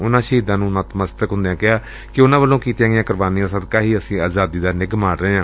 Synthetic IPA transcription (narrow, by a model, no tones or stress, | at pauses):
ʊnãːʃəɦiːd̪ãːnũːnaːt̪məst̪əkɦʊ̃nd̪ejãːkɪaː | kɪʊnãːbəlːõːkiːt̪ijãːɡɪãːkəɾbaːniːãːsəːd̪kaːɦiːəsĩːaːzaːd̪iːd̪aːnɪɡmaːɽɾəeːãː